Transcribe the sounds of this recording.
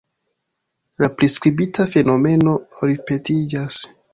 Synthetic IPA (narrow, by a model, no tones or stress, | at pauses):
lapɾiskɾibitafe̞no̞me̞no̞ɾipe̞tid͡ʒas